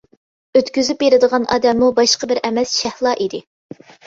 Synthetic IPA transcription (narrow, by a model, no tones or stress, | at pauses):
øt̪kʲyzypbeɾɪd̪əʁɑnʔɑ̰ːd̪ɛmːubɑʃqəbɪɾʔɛmɛsʃɛhlˠɑʔid̪ɪ